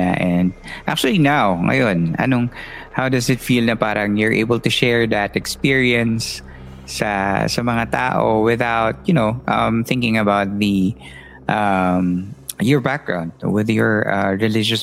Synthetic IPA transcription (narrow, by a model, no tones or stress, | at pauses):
a̰ʔɛ̃nd̪̚ʔak̚t͡ʃʊɐlinawŋɐ̰jonɐ̰noŋ | hawd̪ɐsɪt̪filnɐpaːɾɐŋjɔɹʔḛjbəlt̪ʊʃɛɹðɐt̪ɛkspiɹiɛ̃nsː | ɐsɐmɐŋat̪a̰ːʔoo̰wɪðawt̪̚jʊnoʊʔʌmθɪ̃ŋkɪ̃ŋɐbawt̪̚ði | ʔɐmjɔɹbak̚ɡ̥ɹã̰ʊ̃nd̪̚wɪðjɔɹʔaɹɛlɪd͡ʒɔs